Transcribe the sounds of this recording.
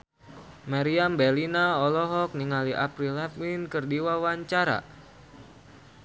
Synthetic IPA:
maɾiambɛlinaɔlɔɦɔk̚niŋaliʔapɾilɛplinkɨrdiwawaɲt͡ʃaɾa̰

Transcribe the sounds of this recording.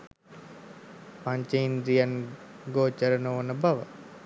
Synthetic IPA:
paɲt͡ʃəind̪ɾijan | ɡoːt͡ʃəɾənoonəbaʋə

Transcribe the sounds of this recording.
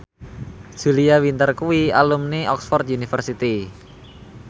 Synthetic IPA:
ʒ̥uliawint̪ərkuwialumniʔɔksfɔrt̪̚junifərsit̪i

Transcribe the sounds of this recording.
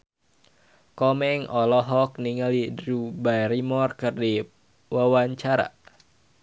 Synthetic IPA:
kɔmɛŋɔlɔɦɔk̚niŋalidrubajɾimɔrkɨrdi | wawaɲt͡ʃaɾa̰

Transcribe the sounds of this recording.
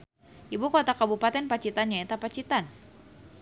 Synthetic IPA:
ʔibukot̪akabupat̪ɛnpat͡ʃit̪anɲaet̪apat͡ʃit̪an

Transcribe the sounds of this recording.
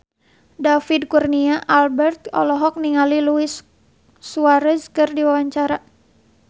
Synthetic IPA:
dafid̚kurniaʔalbɛrt̪̚ɔ̰lɔɦɔk̚niŋaliluisː | uaɾəskɨrdiwawaɲt͡ʃaɾa

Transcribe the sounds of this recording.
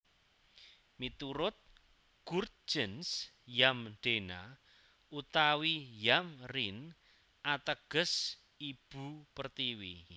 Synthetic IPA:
mit̪uɾʊt̪̚ | ɡ̥urt̪̚d͡ʒ̥əns | jamɖ̥ena̰ | ut̪awijamrin | ʔat̪əɡ̥ə̤s | ib̥ṳpərt̪iwi

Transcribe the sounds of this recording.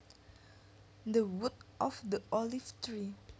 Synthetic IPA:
d̪əwud̚ʔɔfd̪əʔɔlift̪ɹi

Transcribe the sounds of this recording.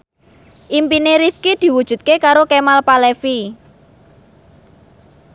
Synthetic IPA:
ʔimpineɾifkid̪̥i̤wud̥ʒ̥ṳt̪̚kekaɾokemalpalɛfi

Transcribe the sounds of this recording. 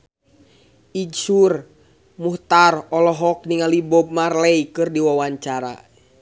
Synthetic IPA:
id͡ʒsur | muht̪arɔlɔɦɔk̚niŋalibɔb̚marlɛijkɨrdiwawaɲt͡ʃaɾa̰

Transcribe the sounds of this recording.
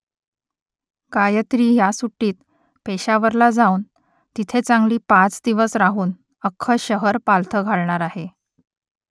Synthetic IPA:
kajət̪ɾiːjasuʈːiːt̪ | peɕaʋəɾlad͡zauːn | t̪it̪ʰet͡sãŋɡliːpãt͡sd̪iʋəsɾaɦuːn | əkʰːəɕəɦəɾpalt̪ʰəɡʱaɭɳaɾaɦe

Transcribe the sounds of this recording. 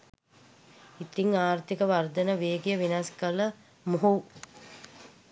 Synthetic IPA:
it̪iŋaːrt̪ikəʋard̪ənəʋeːɡijəʋinaskələ | moɦu

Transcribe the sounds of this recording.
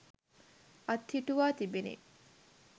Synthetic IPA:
ɐt̪hiʈuʋaːt̪ibenḛ

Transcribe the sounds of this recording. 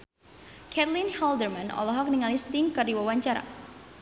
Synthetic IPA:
kʰɛt̪linhɔldərmanɔ̰lɔɦɔk̚niŋalist̪ɪŋkərdiwawaɲt͡ʃaɾa̰

